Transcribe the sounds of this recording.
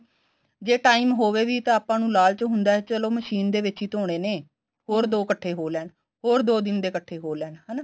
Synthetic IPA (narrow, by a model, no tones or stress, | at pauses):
d͡ʒeːʈaːiːmɦoːʋeːʋiːt̪ãːaːpãːnũːlaːlt͡ʃɦʊnd̪aːɛːt͡ʃəloːməʃiːnd̪eːʋɪt͡ʃiːt̪oːɽ̃eːneː | hoːɾd̪oːkəʈʰːeːɦoːlɛːn | hoːɾd̪oːd̪ɪnd̪eːkəʈʰːeːɦoːlɛːnɦaːnaː